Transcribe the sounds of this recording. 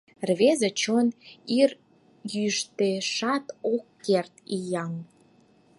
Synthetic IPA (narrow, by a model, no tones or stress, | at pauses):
rβezet͡ɕonir | jyʃt̪eʃɑt̪okːert̪ijɑŋ